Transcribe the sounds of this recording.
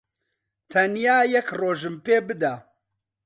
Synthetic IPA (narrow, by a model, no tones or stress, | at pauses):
t̪ʰɐnjaːjɛkroːʒɨmpeːbɨd̪ɐ